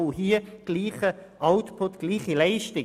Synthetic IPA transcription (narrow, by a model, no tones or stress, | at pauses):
ʊhiːəɡ̥liːχəʔaʊtpʰʊtɡ̥liːχilɛɪʃtɪ